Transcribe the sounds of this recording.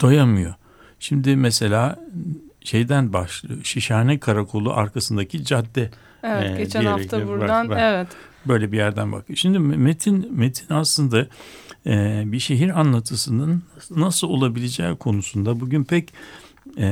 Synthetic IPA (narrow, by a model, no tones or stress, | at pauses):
d̪̥ojamɯjo̞̰ | ʃimd̪ɪmɛse̞lʲaː | ʃe̞jd̪ænbaʃlˠɯ̰oʃiʃaːnɛkʰaɾakʰo̞lˠṵʔaɾkʰasɯnd̪acʰid͡ʒad̪ːɛ | vɟedt͡ʃæniehaɾɛfct̪abuɾad̪anvɛvɛt̪ | bø̞jlʲɛbijæɾd̪ænba̰kʰɯjoʃimd̪ɪmet̪ʰinmet̪ʰinaslˠɯnd̪a | ɛbiʃe̞ɦiɾanlˠat̪ʰɯsɯnɯnːasɯlˠo̞lˠabilʲed͡ʒɛ̰ːkʰo̞nusund̪abuɟynpʰɛcː